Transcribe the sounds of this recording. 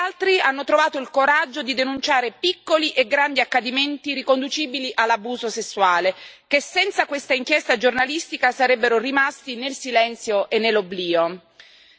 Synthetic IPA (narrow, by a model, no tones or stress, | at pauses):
alt̪ɾianːot̪ɾovaːt̪oilkoɾad͡ʒːod̪id̪enunt͡ʃaːɾepikːoliʔeɡɾand̪iakːad̪iment̪iɾikond̪ut͡ʃiːbiliʔalːabuːzosesːuaːlek̟esːɛnt̪sakwest̪aiŋk̟jɛst̪ad͡ʒornalist̪ikasaɾɛbːeɾorimast̪inelsilɛnt̪sjoʔenːelːobliːo